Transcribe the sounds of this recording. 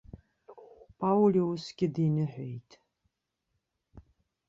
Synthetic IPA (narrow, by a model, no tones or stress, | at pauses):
pʰawliwʊsɡʲɪdiːnɨħʷejtʰ